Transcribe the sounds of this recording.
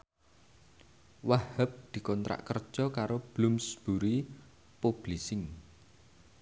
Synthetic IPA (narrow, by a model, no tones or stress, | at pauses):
wahəp̚d̪̥i̤kɔnt̪ɾa̰ʔkərd̥ʒ̥ɔkaɾob̥lumsb̥uɾi | pob̥lisɪŋ